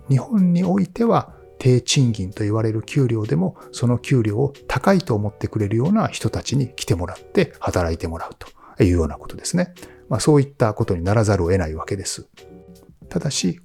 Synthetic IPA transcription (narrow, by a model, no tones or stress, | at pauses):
ɲ̟ihõ̞ɲ̟ːio̞it̪e̞βa | t̪ʰe̞ːt͡ɕĩŋɡʲĩnt̪o̞iβaɾe̞ɾɯ̟kʲɨːɾʲjo̞ːd̪e̞mo̞ | so̞no̞kʲɨːɾʲo̞ːot̪akait̪o̞ːmo̞t̪ːe̞kɯ̟ɾe̞ɾɯ̟jo̞ːnaçi̥t̪o̞t̪at͡ɕiɲ̟ikʲi̥t̪e̞mo̞ɾat̪ːe̞hat̪aɾait̪e̞mo̞ɾaɯ̟t̪o̥ | jɯ̟ːjo̞ːnako̞̥t̪o̞d̪e̞sɨne̞maso̞ːit̪ːako̞t̪o̞ɲ̟inaɾazaɾɯoe̞naiβake̞d̪e̞sɨ̥ | t̪ad̪aɕi